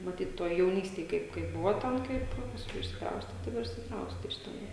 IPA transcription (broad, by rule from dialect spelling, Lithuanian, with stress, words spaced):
mɐˈtʲiːt ˈtuɔj jɛʊˈnʲiːsʲtʲeːj ˈkɐɪp kɐɪp ˈbʊʋɐ ˈtʲɛn ˈkɐɪp pɐsˈkʊɪ ɪʃʲsʲɪkˈrɐʊsʲtʲɛ ˈtɐɪ ʋɐ ɪr ɪʃʲsʲɪkˈrɐʊsʲtʲɛ ɪʃ tʲɛˈnɐɪ